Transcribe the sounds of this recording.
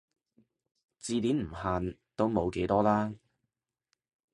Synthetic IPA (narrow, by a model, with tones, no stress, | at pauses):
t͡siː˧t̪iː˨˥nm̩˨˩haː˨nt̪o˥wmo˨˧wke˨˥jt̪ɔː˥laː˥